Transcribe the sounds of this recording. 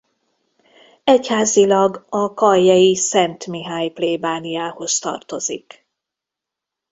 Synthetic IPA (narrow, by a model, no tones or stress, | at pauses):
ɛchaːzilɒɡɒkɒjːɒjisɛnt̪miɦaːjpleːbaːnijaːho̞st̪ɒ̰rt̪o̞zik